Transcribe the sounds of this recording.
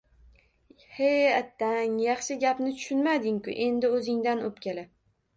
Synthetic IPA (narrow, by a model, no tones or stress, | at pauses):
heat̪ʰːaŋjɑχʃɪɡʲapnɪt̪ʰʊ̥ʃʊnmad̪ɪŋkʊ̰ʔe̞nd̪ɪɵzɪŋd̪anopkʲʰela